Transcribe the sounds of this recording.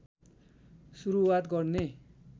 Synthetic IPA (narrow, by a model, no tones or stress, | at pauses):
suɾuwat̪ɡʌrne